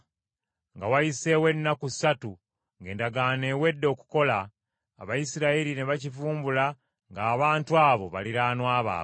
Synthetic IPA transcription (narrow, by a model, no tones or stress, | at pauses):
ŋɡawajise̞we̞nːakusatu | ŋɡe̞ːndaɡaːne̞ːwe̞dːo̞ku̥ko̞la̰ː | βajisiɾaiɾine̞βacifuːmbula | ŋɡaːβaːntuaːβo̞βaliɾaːnwaːβa̰ː